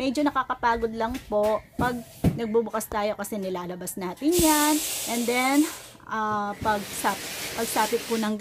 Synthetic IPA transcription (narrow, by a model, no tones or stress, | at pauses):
mɛd͡ʒo̞nɐkakɐpaːɡo̞d̪̚lɐŋpo̞ʔpɐɡ̚ | nɐɡ̚bubʊkɐst̪aːjo̞kɐsɛnɪlaːlɐbɐsnaːt̪ɪnjanʔɛnd̪ɛn | ʔapɐɡ̚saːpɪpɐɡ̚saːpɪt̪̚pʊnɐŋ